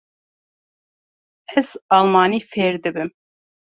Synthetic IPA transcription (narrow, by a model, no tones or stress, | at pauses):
ɛz̥ɑlˠmɑːniːfeːɾd̪ɨbɨm